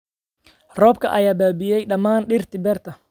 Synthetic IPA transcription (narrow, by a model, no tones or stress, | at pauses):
rɔːb̚kʰɐ̰ʔɐjaːbaːbɪjɛjɗɐmːaːnɗɪrt̪ɪbɛrt̪ɐ